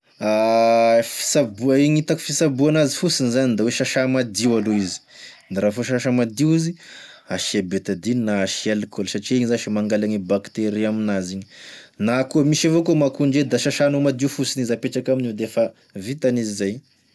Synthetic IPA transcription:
a | fi̥sabuaiɲit̪aku̥fisabuanazifusinizanind̪aweʃaʃamad̪iwaloizi̥naɾafoʃaʃamad̪iwizi | aʃiabet̪ad̪innaʃialkolsaʈ͡ʂieɲizaʃimaŋɡalaɲibakt̪eɾiaminaziɲinakomiʃavokomakuɳɖ͡ʐed̪aʃaʃanomad̪iufusinizapeʈ͡ʂakamined̪efa | vit̪anizizaj

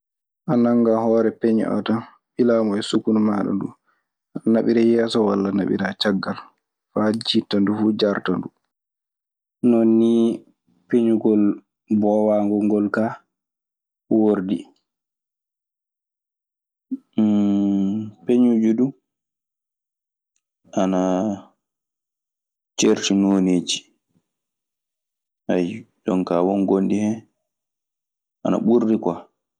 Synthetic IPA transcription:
ʔanaŋɡahɔːɾɛpeɲ̰ʔɔ̰tan | ɓilaːmɔɛsukunmaɗɔ̰ndṵ | ʔanaɓiɾɛjɛːsɔwalːanaɓḭɾat͡ʃaɡːal | fad͡ʒitːandufuːd͡ʒaɾtandu | nɔnːi | peɲuɡɔl | bɔwaŋɡɔŋɡɔlka | woɾdi | peɲud͡ʒudu | ʔana | t͡ʃeɾtinoːned͡ʒi | ʔaj | dɔnkawɔnɡondihɛ | ʔana̰ɓuɾːika

